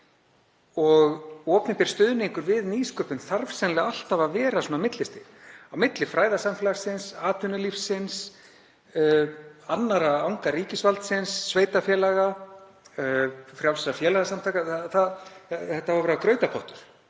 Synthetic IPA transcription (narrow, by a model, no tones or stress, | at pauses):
ɔɣɔːpnɪmpɪɾst̪ʏːðʏniŋkʏɾvɪðniːskœːpʏnθaɾvsɛnlɪaal̥t̪avavɛːɾasoːnamɪt̪lɪst̪ɪawmɪt̪lɪfɾaːjðasamfɛlaɾsɪnsaːt̪ʏnʏlifsːɪns | anːaɾaawŋkariːcɪsvalt̪sɪnsːveːjt̪afjɛːlaɣa | fɾjawsɛsafjɛːlaɣasamt̪ʰajkaθaθaðθɛht̪ːavaɾvɛːɾkɾœːɥt̪apʰɔht̪ʏɾ̥